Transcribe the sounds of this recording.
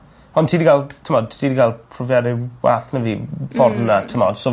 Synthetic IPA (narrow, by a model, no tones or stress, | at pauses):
ɔntʰiːdiɡalˠtʰəmɔd̚ʰiːdiɡalˠpʰrɔvjadɪwa̰ːθnəvifɔrmnatʰəmɔ̰d̥sɔ